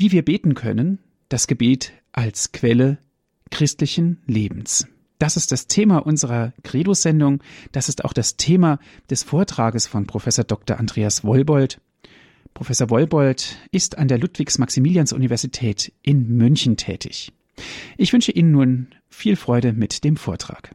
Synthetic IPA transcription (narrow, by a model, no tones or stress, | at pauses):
viːviːɐbeːtn̩kʰœ̰nən | d̥asɡ̥əbeːt | ʔalskʰv̥ɛlə | kʁ̥ɪstlɪçn̩leːbm̩s | d̥asɪst̚d̥astʰeːmaʔʊnzəʁ̞ɐkʁ̥eːdoz̥ɛndʊŋd̥asɪsta̰ʊxd̥astʰeːma | d̥ɛsfoːɐtʁ̥aːɡəsfɔnpʁ̥ofɛsoːɐdɔk̚tɐʔandʁeːasv̥ɔlbɔlt | pʁ̥ofɛsoɐvɔlbɔltʔɪstandeːɐlʊtv̥ɪçsmaksimiːljansʔṵnivɛɐzitʰɛːtʔɪnmʏnçn̩tʰɛ̰ːtʰɪ̰ç | ʔɪçv̥ʏnʃəʔiːnənːuːn | fiːlfʁ̥ɔʏɾəmɪtd̥eːmfoːɐtʁ̥a̰ːk